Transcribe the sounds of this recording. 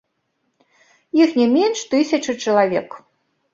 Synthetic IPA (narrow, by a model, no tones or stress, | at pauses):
jixnʲɛmʲenʂt̪ɨsʲɐt͡ʂɨt͡ʂɐlˠavʲɛk